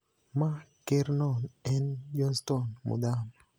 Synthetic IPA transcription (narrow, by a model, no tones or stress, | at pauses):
makeɾnɔnɛnd͡ʒɔnstɔnmṵdam